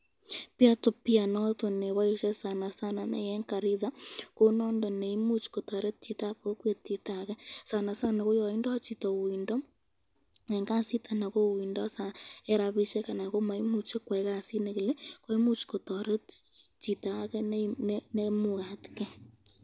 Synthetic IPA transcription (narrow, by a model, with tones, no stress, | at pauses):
pia˦to˨pi˦a˨nɔ˦to˨ne˨βa˦i˦ʃɛ˦sa˨na˨sa˦na˨nḛ˦jɛ˦ŋka˨ɾi˦za˦ko˦nɔ˦ndɔ˨ne˨i˦mu˦t͡ʃi̥ko˨tɔ˨ɾɛ˦t͡ʃi˨ta˦po˦kwe˦ti˨ta˨ɣɛ˦sa˨na˨sa˦ne˨ɣo˦jɔ˦˨i˦ndɔ˦t͡ʃi˨tɔ˨wi˨ndɔ˦ | ɛ˨ŋɡa˦si˦tʰa˦na˨ɣo˦˨wiː˨ndɔ˦a˦sa˨e˦ɾa˨βi˦ʃɛ˦ka˨na˨ɣo˦ma˨i˦mu˨t͡ʃe˦kwɛ˨ɣa˦si˦neɣe˨lɛ˦ko˦i˦mu˦t͡ʃi̥ko˨tɔ˨ɾɛ˦t͡ʃi˨ta˨a˦ɣɛ˦ne˦muɣa˨ti̥kɛ˦